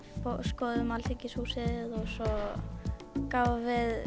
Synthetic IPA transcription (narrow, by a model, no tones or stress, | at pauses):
poskɔðʏmalt̪ʰɪcɪsusɪðɪðɔɣsɔ | kaːvavɪð